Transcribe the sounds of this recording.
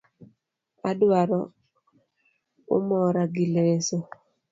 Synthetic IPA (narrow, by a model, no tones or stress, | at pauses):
adwaɾɔ | ʊ̰mɔɾaɡileso